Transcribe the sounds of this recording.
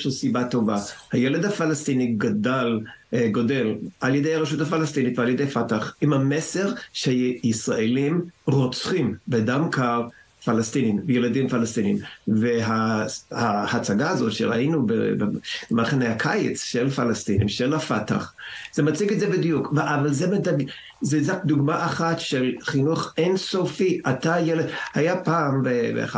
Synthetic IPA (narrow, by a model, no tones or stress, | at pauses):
ʃusibat̪o̞vahajeled̪hafalast̪iniɡadalɡo̞de̞lʔaljedejhaʁeʃuthafalast̪initvealjed̪ejafataχimhamese̞ʁʃisʁaelimʁot͡sχimbedamkaʁ | falast̪inimvejeladimfalast̪inimveɦahahat͡saɡaːzo̞tʃeʁa̰inubebemalχenejhakʰajḛt͡sʃelfalastinḭmʃelafata̰χz̥emat͡siɡetzebidijukveʔavalzemedaɡ | zezakd̪uɡmaʔaχatʃelχinuχensofiʔatajeledhajapaːmvevḛχa